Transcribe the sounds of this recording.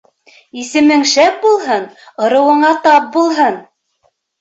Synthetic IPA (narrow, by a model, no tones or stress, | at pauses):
isɘ̆mɘŋʃæp̚bulˠɦɤnŏɾɤ̆wɤ̆ɴɑt̪ɑp̚bulˠɦɤn